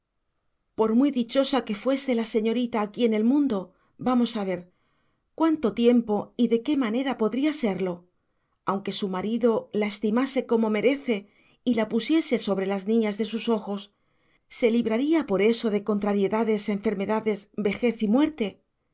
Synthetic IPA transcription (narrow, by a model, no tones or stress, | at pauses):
po̞ɾmwiðit͡ʃo̞sake̞fwe̞se̞lase̞ɲo̞ɾit̪aːkie̞ne̞lmũnd̪o̞ | bamo̞saβ̞e̞ɾ | kwant̪o̞t̪je̞mpo̞iðe̞ke̞mane̞ɾapo̞ðɾiase̞ɾlo̞ | awŋke̞sumaɾiðo̞lae̞st̪imase̞ko̞mo̞me̞ɾe̞θe̞ | ilapusje̞se̞so̞βɾe̞laznĩɲazðe̞suso̞xo̞sː | e̞liβɾaɾiapo̞ɾe̞so̞ðe̞ko̞nt̪ɾaɾje̞ðaðe̞saeɱfe̞ɾme̞ðaðe̞zbe̞xe̞θimwe̞ɾt̪e̞